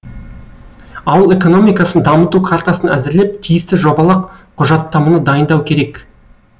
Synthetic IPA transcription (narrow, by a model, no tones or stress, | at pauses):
ɑwəlˠe̞ko̞no̞mijkɑsənd̪ɑmət̪ukʰaɾt̪asənæ̰zɪɾle̞p̚t̪ʰijɪst̪ɪʒo̞bɑlˠɑqqʰːʊʒɑt̪ːɑmunəd̪ɑjənd̪ɑwkʲʰe̞ɾe̞k